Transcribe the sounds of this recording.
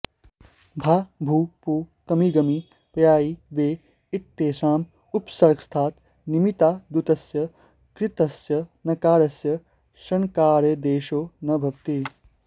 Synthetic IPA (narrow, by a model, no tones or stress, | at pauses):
bʱabʱuːpuːkɐmiɡɐmi | pjaːiʋeː | iʈ̪ːeːsaːm | upsɐɾɡst̪ʰaːt̪ | nimit̪aːd̪ut̪ɐsjɐ | kɾit̪ɐsjɐnɐkaːɾɐsjɐ | ʃɐnkaːɾɐd̪eːʃoːnɐbʱɐb̚t̪i